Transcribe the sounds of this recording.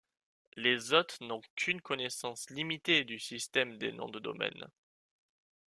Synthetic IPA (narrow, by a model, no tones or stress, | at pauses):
lezɔt̪χnɔ̃kʰynkɔnesɑ̃slimit̪ed̪ysist̪ɛmd̪ḛnɔ̰̃d̪əd̪ɔ̰mɛ̰n